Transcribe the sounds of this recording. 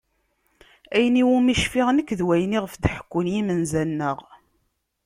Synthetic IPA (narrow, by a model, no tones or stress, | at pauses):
æjniwumiʃfiʁnəkːðwæjniʁəfd̪ħə̥kʷːʊnjimənzænːəʁ